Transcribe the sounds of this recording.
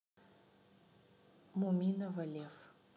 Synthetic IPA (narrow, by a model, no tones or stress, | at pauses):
mumʲinɐvɐlʲef